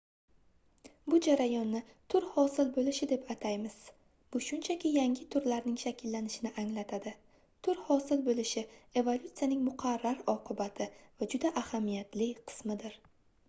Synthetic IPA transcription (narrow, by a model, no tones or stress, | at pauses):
bʊd͡ʒaɾajɒnːɪt̪ʰʊɾhɒsɪlbolɪʃɪd̪e̞pʰat̪ʰajmɪz̥ | b̥ʊʃʊnt͡ʃʰakʲɪjaŋʲɪt̪ʰʊɾlaɾnɪŋʃakʲʰɪlːanɪʃɪnɪʔaŋlat̪ʰad̪ɪ | t̪ʰʊɾhɒsɪlbolɪʃɪe̞volˠʲʊt̪sijanɪŋmʊqʰɑɾːaɾɒqʰɨbat̪ʰɪvad͡ʒʊd̪aʔahamijat̪lɪqʰɨ̥smɪd̪ɪɾ